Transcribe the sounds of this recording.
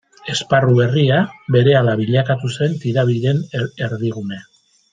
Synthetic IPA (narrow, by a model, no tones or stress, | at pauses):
e̞sparuβe̞riaβe̞ɾe̞alaβiʎakat̪use̞nt̪iɾaβ̞iɾe̞ne̞ɾðiɣune̞